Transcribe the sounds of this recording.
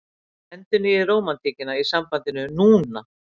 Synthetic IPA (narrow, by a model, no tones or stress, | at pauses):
ɛnt̪ʏnɪːroːwmant̪ʰiːcɪnaisampant̪ɪnʏnuːna